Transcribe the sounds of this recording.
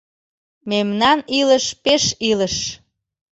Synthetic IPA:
memnɑnilə̆ʃpeʃiləʃ

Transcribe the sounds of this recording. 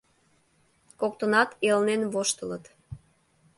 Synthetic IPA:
kok̚t̪ənɑt̪elnenβoʃt̪ələt̪

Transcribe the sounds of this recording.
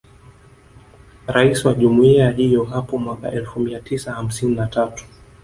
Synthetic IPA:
ɾaisiwaʄumuiaɦijɔɦapɔmwaka̰ʔɛlfumiatisaham̩sininatatu̥

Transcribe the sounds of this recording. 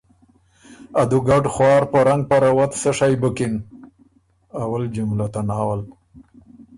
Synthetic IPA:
ad̪uɡaʈxwɑːɾpəɾaŋɡ̚paɾawat̪səʂajbəkɪn | awald͡ʒʊmlat̪anɑːwal

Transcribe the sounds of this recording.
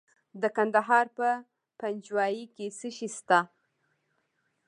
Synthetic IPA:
d̪əkand̪aɦɑɾpə | pand͡ʒwɑjikesəʃist̪a

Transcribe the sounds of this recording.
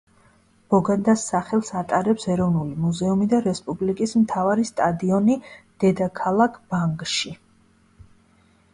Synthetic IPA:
b̥ɔɡad̪asaχɛlˠsat̪ʼaɾɛpsɛɾɔvnulimuzɛumid̪aɾɛspʼublikʼismt̪ʰavaɾist̪ʼad̪iɔnid̪̥ɛd̪akʰalˠakʰb̥aŋkʼʃi

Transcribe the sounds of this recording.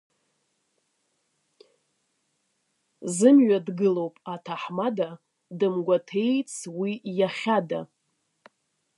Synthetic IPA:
zɨmɥadɡɨlo̞wpʼatʰaħmada | dɨmɡʷatʰe̞jt͡sʰwijaχʲada̰

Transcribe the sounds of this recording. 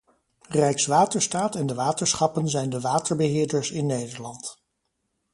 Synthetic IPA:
rɛjksʋaːtəɹstaːtɛndəʋaːtəɹsχɑpənzɛjndəʋaːtəɹbəɦɪːɹdəɹsɪnːejdəɹlɑnt

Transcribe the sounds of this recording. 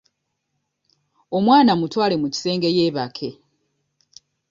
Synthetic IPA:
o̞mwaːnamutwaːle̞muci̥se̞ːŋɡe̞je̞ːβakʰe̞

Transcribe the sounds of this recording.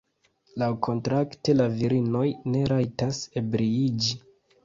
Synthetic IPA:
lawkʰo̞ntɾakte̞laviɾino̞jne̞ɾajtasebɾiid͡ʒi

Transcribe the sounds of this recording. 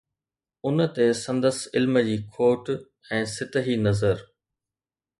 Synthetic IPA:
ʊnə̆t̪esɐ̃nd̪əsɪlməd͡ʑiːkʰoːʈ | ɛ̃ːsɪt̪əɦinɐzəɾ

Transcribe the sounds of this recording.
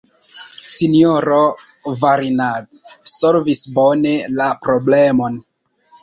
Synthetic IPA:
sinioɾo | vaɾinadsolvisbone̞lapɾo̞ble̞mo̞n

